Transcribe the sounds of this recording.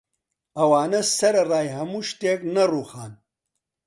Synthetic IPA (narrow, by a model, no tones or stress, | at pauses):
ɐwaːnɐsɐɾɐraːjɦɐmuːʃt̪eːknɐruːxaːn